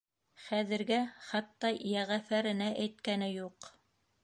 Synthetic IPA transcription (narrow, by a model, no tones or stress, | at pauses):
χæðɘ̆ɾɡæχɑt̪ːɑjæʁæfæɾɘ̆næʔæjt̪kænɘjuq